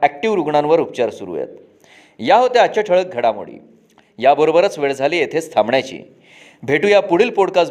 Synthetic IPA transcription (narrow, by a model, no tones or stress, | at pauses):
æk̚ʈiʋɾuɡɳãnʋəɾupt͡ɕaɾsuɾṵjḛt̪ | jaɦot̪eat͡ɕaʈʰəɭək̚ɡʱəɽamṵɽḭː | jabəɾobəɾət͡sʋeɭd͡zʱaliːjet̪ʰest̪ʰamɳjat͡ɕḭː | bʱeʈũːjapuɽ̤iːlpoɽkas